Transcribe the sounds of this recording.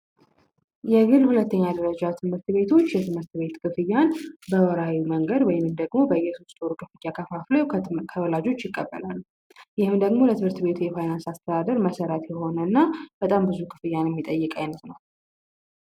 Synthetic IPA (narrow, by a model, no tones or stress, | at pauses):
jɛɡɨlhulət̪ːəɲːad̪əɾəd͡ʒat̪ʰɨmhɨɾt̪be̞t̪ʰo̞t͡ʃːjɛt̪ʰɨmɨɾt̪be̞t̪kʰɨfɨjːanbəwɔɾawiməŋɡəd̪wɔjɪɨmd̪əɡmo̞bəjːɛso̞st̪ʼoɾukʰɨfɨjːakʰəfaflojkʰəwɔlad͡ʒo̞t͡ʃːjɪkʼːəbːə̰lalːu | jɪhɨmd̪əɡmo̞lət̪ʰɨmɨɾt̪be̞t̪ʰujɛfajnansast̪ʰəd̪ad̪əɾməsəɾət̪jɛho̞nəɨnːab̥ət̪ʼambɨzukʰɨ̥fɨjːanjɛmːit̪ʼəjːɨkʼajnət̪nəw